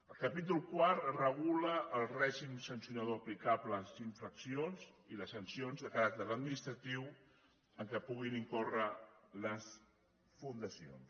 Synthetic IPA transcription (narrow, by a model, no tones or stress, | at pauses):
əlˠkəpit̪̬ulˠkwaɾrəɣ̞uləːlˠrɛʒimsənsiunəðoɐplikapləziɱfɾəksionziləsənsionzðəkaɾak̚t̪əɾəd̪̚minist̪ɾət̪iw | əŋkəpuɣiniŋkorələs | fund̪əsio̰ns